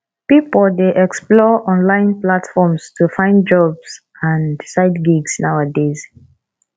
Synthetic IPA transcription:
pipɔldeʔɛksplɔʔɔ̃nlãɪ̃nplatfɔmstʰufãɪ̃ndd͡ʒɔbs | ãndsaɪdɡiɡsnawadez

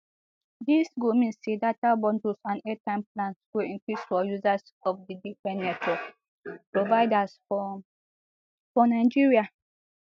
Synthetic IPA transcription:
disɡomĩnsedatabɔ̃ndusãnɛtãɪ̃mplãnswoĩŋkɹisfɔjuzas | ɔfdidifɹɛ̃nːɛtɔ | pɹovaɪdasɔ | fɔnaɪd͡ʒiɹia

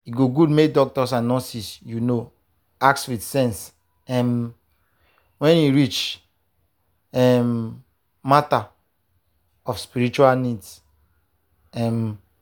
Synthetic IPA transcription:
jiɡoɡudmek̚dɔk̚tɔsanɔ̃sisjuno | akswitsɛ̃ns | ɛm | wɛ̃njuɹit͡ʃ | ɛm | mata | ɔfspiɹit͡ʃualnids | ɛm

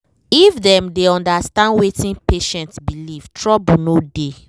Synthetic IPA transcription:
ifdɛ̃mdeɔ̃ndastãndwetĩnpeʃɛ̃ntsbiliv̥tʰɹɔbunode

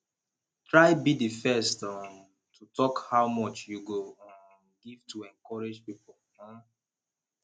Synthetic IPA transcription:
tɹaɪbidifɛstɔm | tʰutɔkhawmɔt͡ʃjuɡoɔ̃ | ɡiv̥tʰuɛ̃ŋkɔɹed͡ʒpipɔl̩

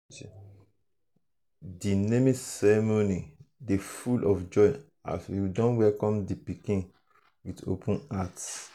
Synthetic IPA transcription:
dinemĩsɛɹemonidefulʔɔfd͡ʒɔj | a̰sjidɔ̃nwɛlkɔ̃mdipikĩn | wido̰pʰũnat

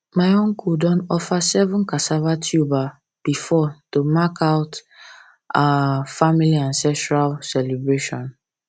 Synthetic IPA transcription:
maɪõŋkʰudɔ̃nɔfasɛvũnkasavatʰjuba | b̥ifɔtomakʰaʊt | afamiliãnsɛstɹalsɛlɛbɹeʃɔ̃n

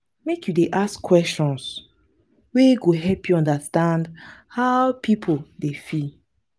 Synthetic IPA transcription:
mekjudeʔaskːwɛstɔ̃ns | weɡoɦɛlpjuɔ̃ndastãndhaʊpʰipʰodefi

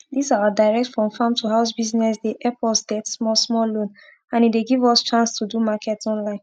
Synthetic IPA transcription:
disawadaɪɹɛk̚tfɹɔ̃mfãmtʰuhaʊsbiznɛsdeʔɛpʰɔsdɛtsmɔsmɔlõn | ãnitdeɡivɔst͡ʃãnstʰudumakʰɛtɔ̃nlãɪ̃n

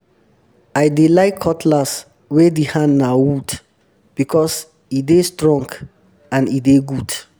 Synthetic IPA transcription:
ajdelaɪkʰːɔtʰlas | wɛdihãnnːawud | b̥ikʰɔs | idestɹɔ̃ŋɡ | ãnideɡud̥

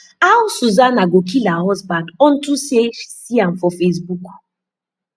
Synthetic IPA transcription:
awsuzanaɡok̬ilahɔzbandɔn̩tused͡ʒsiamfɔfes̬buk

